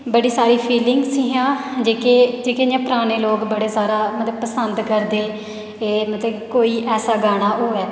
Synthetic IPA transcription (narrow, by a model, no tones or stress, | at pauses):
bəɽiːsaːɾiːpʰiːlɪŋɡsĩːɦãːd͡ʒeːkeːd͡ʒeːkejãːpəɾaːneːloːɡbəɽeːsaːɾaːmət̪ləbpəsənd̪kəɾd̪eː | eːmət̪ləbkoːiːʔɛːsaːɡaːɽ̃aːʔoːɛː